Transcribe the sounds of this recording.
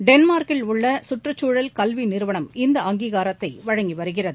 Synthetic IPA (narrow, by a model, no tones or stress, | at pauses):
ɖɛnmaːɾkɪlʊɭːɐsʊʈrɯt͡ʃːuːɻɐlkɐlʋinɪɾɯʋɐɳɐmɪnd̪ɐɐŋɡiːɣaːɾɐt̪ːɐɪʋɐɻɐŋɡiʋɐɾɯɣɪrɐðɯ